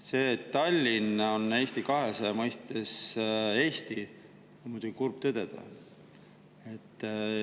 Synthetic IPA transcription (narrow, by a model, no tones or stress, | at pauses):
se̞ːt̪ːɑlʲːinone̞ːst̪ikɑɦesemɤjst̪ese̞ːst̪i | mud̥̪ʲuɡikurb̥̚t̪ɤd̪ed̪̥ɑ̰ | e̞t̪ːˑ